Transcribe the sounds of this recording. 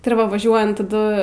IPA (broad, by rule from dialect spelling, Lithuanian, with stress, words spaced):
tʲɪ ɪr ˈʋɐ ʋɐˈʒʲuɔjɛnt tɐˈdʊ